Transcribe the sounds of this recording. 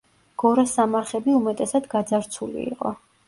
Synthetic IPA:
ɡ̥ɔɾasamaɾχɛbiumɛt̪ʼɛsad̪ɡad̪zaɾt̪sʰulḭḭqʼɔ

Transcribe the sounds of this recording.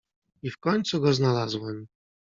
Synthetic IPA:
ifkɔɲt̪suɡɔznalazwɛm

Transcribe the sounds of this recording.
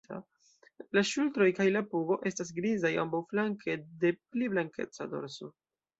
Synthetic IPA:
a̰ | laʃultɾo̞jkajlapuɡo̞ʔe̞stas̬ɡɾizaja̰mbawflaŋkʰe̞de̞pliblaŋkʰe̞̰t͡sa̰do̞̰ɾso̞

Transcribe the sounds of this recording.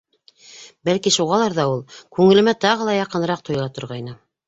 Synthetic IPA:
bælkiʃuʁɑlˠɑɾðɑulˠkʉŋɘ̆lɘ̆mæt̪ɑʁɤ̆lˠɑjɑqɤ̆nɾɑq̚t̪ŏjlˠɑt̪ŏɾʁɑjnɤ

